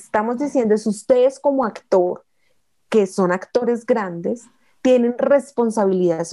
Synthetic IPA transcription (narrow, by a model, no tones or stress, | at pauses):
st̪amo̞zd̪isjend̪oesust̪e̞ðesko̞mo̞akt̪o̞ɾ | ke̞so̞nakt̪o̞ɾe̞zɡɾand̪e̞s | t̪je̞ne̞nre̞spo̞nsaβiliðas